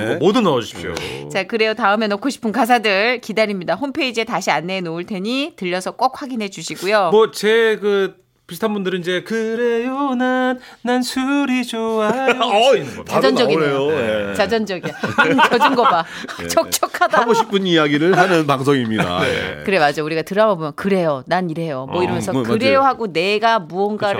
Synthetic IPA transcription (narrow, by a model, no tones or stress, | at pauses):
modunaod͡ʑuɕʰi̥pʰo̰t͡ɕakɯɾe̞jotaɯmenokʰːoɕʰi̥pʰɯnkas̬ʰadɯɭkidaɾimɲidahompʰeid͡ʑie̞taɕʰianːe̞noɯɭtʰe̞ɲitɯʎːʌsʰʌk͈ok̚hwaɡinɦe̞d͡ʑuɕʰiɡujomʌt͡ɕe̞kɯ | pisʰt̪ʰanbundɯɾinid͡ʑe̞kɯɾejonanː | ansʰuɾid͡ʑoa | ad͡ʑʌnd͡ʑʌɡiejoet͡ɕad͡ʑʌnd͡ʑʌɡint͡ɕʌd͡ʑɯnɡʌba̰ | t͡ɕʌk̚t͡ɕ͈ʌkʰadaɡoɕʰip͈ʰɯɲijaɡiɾɯɭɦanɯnpaŋs̬ʰoŋimɲida̰kɯɾe̞mad͡ʑouɾiɡatɯɾawabomjʌkɯɾe̞jonaniɾe̞jomwʌiɾʌmjʌnsʰʌkɯɾe̞joɦaɡone̞ɡamuʌŋɡa